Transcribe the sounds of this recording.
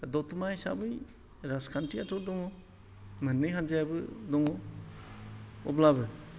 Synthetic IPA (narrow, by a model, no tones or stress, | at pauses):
dɔt̪umajsa̰bɯj | ɾaskʰantɾiatʰɔdɔŋɔ | mɯnːɯjɦand͡ʒajabɯdɔŋɔ | ɔblabɯ